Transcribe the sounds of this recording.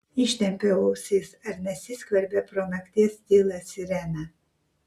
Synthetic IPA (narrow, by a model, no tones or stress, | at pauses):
ɪʃʲt̪ʲɛmʲpʲɛʋɔʊsʲisɐɾnʲɛsʲɪsʲkʋʲɐɾʲbʲɛpɾɔnɐkʲt̪ʲiɛsʲt̪ʲiːlˠɐsʲɪɾʲɛnɐ